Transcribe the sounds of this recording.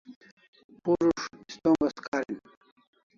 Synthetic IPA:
puʐuʂist̪oːmɡɐskaːɾḭn

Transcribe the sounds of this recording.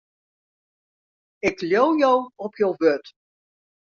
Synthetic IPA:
ɪkljowjowɔpʰjowʋøt

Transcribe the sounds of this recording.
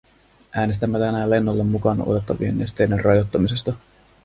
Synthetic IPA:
ʔæːnes̬t̪æmːæt̪ænæːle̞nːolːemːukɑno̰t̪e̞t̪ːɑʋḭe̞̰nːest̪e̞jderrʔɑjo̞t̪ːɑmise̞st̪ɑ

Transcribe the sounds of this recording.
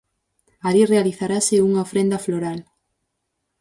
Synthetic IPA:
aɾirealiθaɾasɪuŋaofɾẽnd̪ɐfloɾal

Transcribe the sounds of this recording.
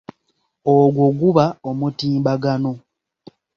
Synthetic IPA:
oɡwoɡuβaomutiːmbaɡano̞

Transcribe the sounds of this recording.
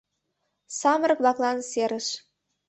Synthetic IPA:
sɑmə̆rɤkβlɑklɑnseɾə̆ʃ

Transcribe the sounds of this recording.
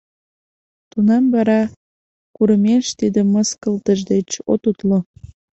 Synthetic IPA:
t̪unɑmβɑɾɑ | kuɾəmeʃt̪id̪eməskəlt̪əʒd̪et͡ɕo̰t̪ut̪lo

